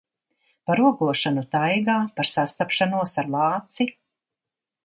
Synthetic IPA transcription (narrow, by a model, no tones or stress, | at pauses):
paɾuɔɡuɔʃanut̪ajɡaːpaɾsast̪apʃanuɔsaɾlˠɑːt̪si